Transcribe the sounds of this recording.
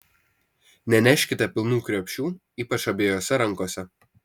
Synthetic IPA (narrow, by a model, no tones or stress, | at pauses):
nʲɛnʲɛʃʲkʲɪt̪ɐpʲɪlˠnuːkʲɾʲoːpʲʃʲuː | iːpɐt͡ʃɐbʲeːjoːsʲɛɾɐŋˑkoːsʲɛ